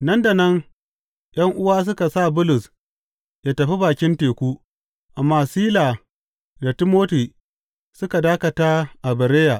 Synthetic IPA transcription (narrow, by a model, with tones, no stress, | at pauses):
nɐ˦nda˨nɐ˦ŋ | jʔɐ˦ŋʔʊ˦waː˦s̬ʊ˦ka˨sa˦˨bʊ˦lʊ˨s | jaː˦tɐ˨ɸi˦baː˨kʲɪ˦nteː˨kʷuː˦ | ʔa˨mːaː˦siː˦laː˨ | da˨tɪ˦moː˦ti˨ | sʊ˦ka˨daː˦kɐ˨ta˦ʔa˨bɐ˨ɾeː˦jaː˨